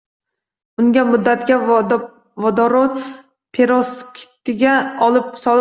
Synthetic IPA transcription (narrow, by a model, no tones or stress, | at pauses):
ʊŋɡʲamʊd̪ːat̪ɡʲa | vɒd̪ɒɾon | pʰeɾoskʲʰɪ̥t̪ɪɡʲaɒlˠɪp̚sɒ